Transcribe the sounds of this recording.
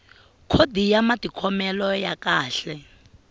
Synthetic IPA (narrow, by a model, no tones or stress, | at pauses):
kʰodijamatʼikʰɔmɛlɔjakaːɬɛ